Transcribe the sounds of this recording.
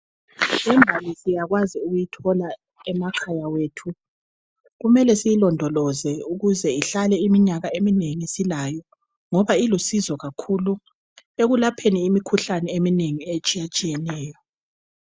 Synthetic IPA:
ɛɱbʱalisijaɣwaziuɣujitʰɔla | ɛmakʰajawetʰu | ɣumɛlɛsijilɔndʱɔlɔzɛuɣuzɛiɬalɛimiɲaɣaemineŋisilajɔ | ŋɔβailusizɔɣakʰulu | eɣulapʰeniːmikʰuɬanɛemineŋiet͡ʃʼijat͡ʃʼijɛnɛːjɔ

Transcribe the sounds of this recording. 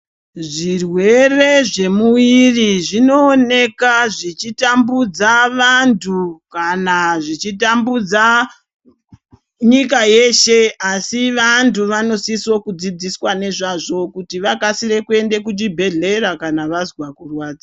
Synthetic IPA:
ʐirwe̞re̞ʐe̞muʋiriʐino̞ːne̞kaʐit͡ʃitambud͡zaʋantʰukanaʐit͡ʃitambud͡za | ɲik̬aje̞ʃe̞asiʋantuʋano̞siswokud͡zid͡ziswane̞ʐaʐo̞kutiʋakasiɾe̞kue̞nde̞kut͡ʃibʱe̞ɮe̞ɾakanaʋazwakurwaːd͡za

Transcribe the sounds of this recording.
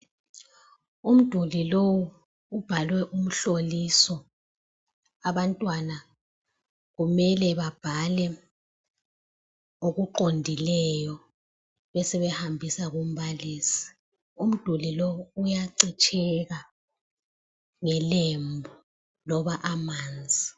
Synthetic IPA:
um̩d̥ʱulilowu | ub̥ʱalwɛʔum̩ɬolisɔ | aβantʼwana | ɣumɛlɛβab̥ʱalɛ | oɣuǃondʱilɛjɔ | βɛsɛβɛhambʱisaɣum̩βaliːsi̥ | um̩d̥ʱulilowuːjaǀit͡ʃʼʰɛɣa | ŋɛlembʱu | lɔβaʔamaːnd͡zʱi

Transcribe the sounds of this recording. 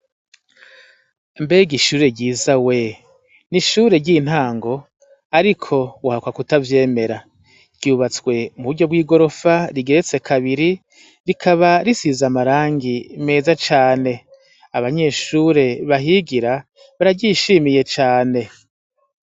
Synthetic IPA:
mbeɡiʃuːɾe̞ɟiːzawe̞ | niʃuːɾe̞ɟin̥haːŋɡo̞ | aɾikʰo̞wahakwakutavje̞ːme̞ɾa | ɟ̥uːβat͡swe̞muβuɟo̞bɡwiːɡo̞ɾo̞faɾiɡe̞ɾet͡se̞kʰaβiɾi | ɾikʰaβaɾisizamaɾaːŋɡime̞ːzat͡ʃaːne̞ | aβaɲe̞ʃuɾe̞βaɦiɡiɾa | βaɾaɟiʃimije̞t͡ʃaːne̞

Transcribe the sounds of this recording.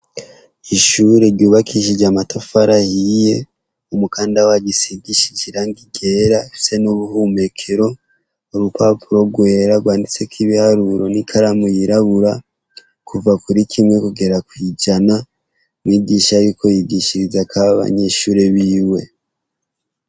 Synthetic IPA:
iʃuɾe̞ɾɟuːβakʰiʃid͡ʒamatofaɾahije̞ | umukaːndawaɟisiɡiʃit͡ʃiɾaŋɡiɡe̞ːɾaefi̥se̞noβuhume̞kʰe̞ɾo̞ | oβupapuɾo̞b̚ɡwe̞ːɾaɡwaːndit͡se̞kiβihaɾuɾo̞nikʰaɾamujiɾaβuɾa | kuvakuɾikʰimŋe̞kuɡe̞ɾakwid͡ʒana | mwiːɡiːʃaɾikʰo̞jiɡiʃiɾizakʰaaβa̰ɲe̞ʃuːɾe̞βiːwe̞

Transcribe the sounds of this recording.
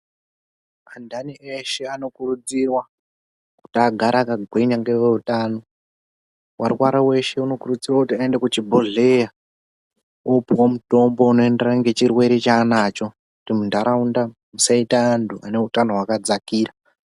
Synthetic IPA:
andanieʃe̞ano̞kurud͡zirwa | ku̥tiaɡʱaɾʔakaɡʱweɲaŋɡeweutaːno̞ | wʔa̰rkwaɾawe̞ʃe̞uno̞kurud͡zirwakutiaende̞kut͡ʃibʱoɮeja | opiwomuto̞mbo̞uno̞e̞nde̞raŋɡe̞t͡ʃirwe̞ɾet͡ʃanat͡ʃo̞ | kutimundaɾaunda | musaitaːntʰuane̞utano̞ɦwakad͡zakiːɾa

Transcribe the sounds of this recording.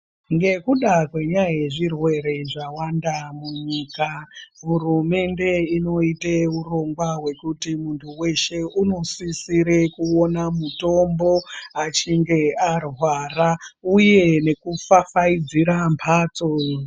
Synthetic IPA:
ŋɡe̞kuɗakwe̞ɲajeʐirwe̞ɾe̞ʐawandamuɲiːkaɦurume̞nde̞ino̞iteuro̞ŋɡwawe̞kutimuntʰuwe̞ʃe̞ʔuno̞sisiɾe̞kuonamuto̞mbo̞at͡ʃiŋɡe̞arwarauje̞ne̞kufafaid͡ziɾampʰaːt͡so

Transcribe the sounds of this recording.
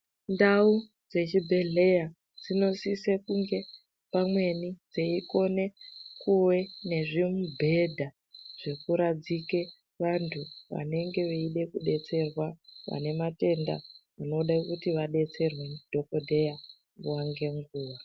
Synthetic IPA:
ndau | d͡ze̞t͡ʃibʱe̞ɮe̞ja | d͡zino̞sisekuŋɡe̞ | pamwe̞nid͡zeiko̞ne̞kuwe̞ne̞ʐimubʱe̞dʱa | ʐ̥e̞kuɾad͡zike | ʋantʰuʋa̰ne̞ŋɡe̞ʋeiɗe̞kuɗe̞t͡se̞rwaʋa̰ne̞mate̞nda̰muno̞ɗakutiʋaɗe̞t͡se̞rwend̥ʱo̞ko̞dʱe̞ja | muwaŋɡe̞ŋɡuːʋa

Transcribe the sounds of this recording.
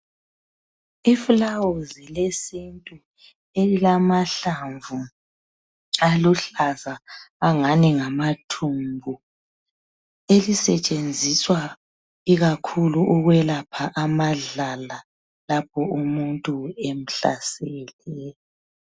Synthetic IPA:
ifulawozilesintʼu | elilamaɬaɱvu | aluɬazaːŋaniŋamatʰumbʱu | elisɛt͡ʃʼend͡zʱiswa | iɣakʰuluʔuɣwɛlapʰaʔamaɮala | lap̚ʰɔumuntʼuem̩ɬa̰sɛlɛ

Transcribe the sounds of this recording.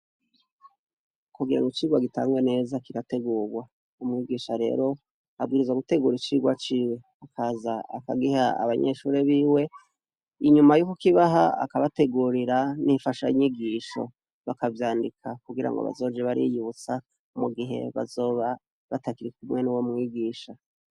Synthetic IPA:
kuɡiɾa̰ŋɡot͡ʃiːɡwaɡita̰ːŋɡwene̞zakiɾate̞ɡuːɡwa | umŋiɡiːʃaɾe̞̰ːɾo̞ | ab̚ɡiːɾizwaɡute̞ɡuːɾit͡ʃiːɡwat͡ʃiːwe̞ | akʰaːzaakaɡihaa̰βaɲeʃuːɾeβiːwe̞ | iɲumajukukiβaɦaa̰kaβate̞ɡuɾiɾanifaʃaiɲiɡiːʃo̰ | βakavjaːndikʰakuɡiɾa̰ŋɡo̰βa̰zo̞ːd͡ʒeβaɾḭjuut͡sa | muɡiɦe̞̰βa̰zoβa | βatakiɾikumŋe̞nuwomŋiɡiːʃa

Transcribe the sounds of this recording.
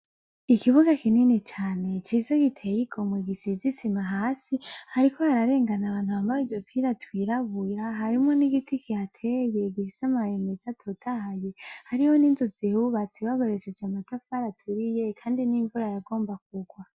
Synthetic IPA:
ikʰiβuɡakininit͡ʃaːne̞t͡ʃiːzeɡitʰejiɡo̞mweɡisizisimaɦaːsihaɾikʰo̞haɾaɾe̞ːŋɡanaβaːn̥huhaːmbawivjopʰiɾatwiɾaβuɾaɦaɾimŋo̞niɡitʰikiatʰeje̞ɡifisamajemezatʰotʰahaje̞haɾihoniːnzozihuβat͡seβaɡoɾe̞t͡ʃed͡ʒamatʰafaɾatʰuɾijekʰaːndiniɱvuɾajaɡo̞ːmbak̚uɡwa

